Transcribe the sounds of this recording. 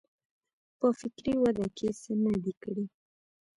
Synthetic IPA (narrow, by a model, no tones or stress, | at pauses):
pəfɪkɾiwad̪akʰesenad̪ikəɽi